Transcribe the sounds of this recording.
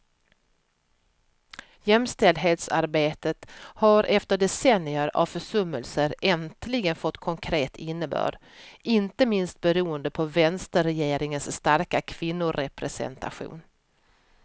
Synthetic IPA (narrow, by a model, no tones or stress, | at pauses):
jɛmst̪ɛld̪ɦeːt̪saɾbeːt̪ət̪haɾʔɛft̪əɖɛsɛnɪəɾa̰vfœʂɵmːəlsəɾɛnt̪ʰlɪɡənfɔt̪ːkʰɔŋkʰɾeːt̪ʰɪnːəbœ̰ːɖ | ʔɪnt̪əmɪnst̪̚bɛɾuːənd̪əpʰɔvɛnst̪əɾɛjeːɾɪŋənsːt̪aɾkakʰv̥ɪnːʊɾɛpɾɛsɛ̰nt̪ʰa̰ɧṵːn